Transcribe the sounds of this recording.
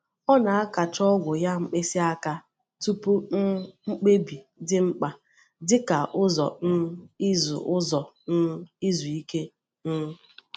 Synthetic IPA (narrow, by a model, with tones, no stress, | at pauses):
ɔ˦na˨a˦ka˨t͡ʃɔ˦ɡʷʊ˨ja˦ŋ͡m̩˦k͡pe˦si˦a˦ka˦ | tu˦pu˦ŋ͡m̩˦k͡pe˦bi˨ | dɪ˦ŋ͡m̩˦k͡pa˨ | dɪ˦ka˨ʔʊ˦zɔ̰˨n̩˦i˦zṵ˨ʔʊ˦zɔ˨ | n̩˦i˦zu˨i˦ke˦ | n̩˦